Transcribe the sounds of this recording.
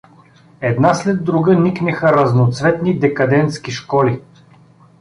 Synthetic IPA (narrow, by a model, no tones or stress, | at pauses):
ɛd̪naslɛd̪ːɾuɡəniknɛxəɾɐznot̪svɛt̪nid̪ɛkɐd̪ɛnt̪skiʃkɔli